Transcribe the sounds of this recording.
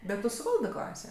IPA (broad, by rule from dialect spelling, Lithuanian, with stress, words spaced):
ˈbʲɛt ˈtʊ sʊˈʋɐlˠdɜ ˈklˠɑːsʲeː